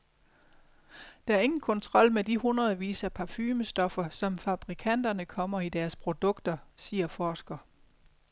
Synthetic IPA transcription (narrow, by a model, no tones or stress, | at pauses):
d̥ɑ̈æɐe̝ŋn̩kʰɒ̽nt͡sʰʁɒ̽l̰med̥ihunʁɐðˠʋḭːsæpʰɑ̈fyːməsd̥ɒ̽fɐsɒ̽mfɑ̈b̥ʁikʰæn̰d̥ɐnəkʰɒ̽m̰ɐid̥æɐspʰʁo̝d̥ɔ̽ɡ̥d̥ɐsiːɐfɒːsɡ̥ɐ